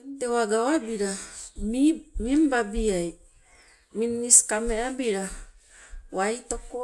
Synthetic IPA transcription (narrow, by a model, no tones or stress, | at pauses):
entewaɡaoabiɾamimimbabiaj | minːiskameabiɾa | wajtoko